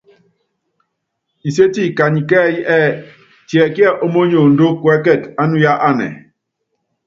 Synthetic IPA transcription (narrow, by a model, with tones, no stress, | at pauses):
i˨se˦ti˦˨ka˨ɲi˨kɛ˦jʔɛ˦ | tjɛ˨kjɛ˦ʔo˦mo˦ɲo˨n̩˨do˦kwɛ˦kɛ˦˨ta˦nu˦ja˦ʔa˦nɛ̰˨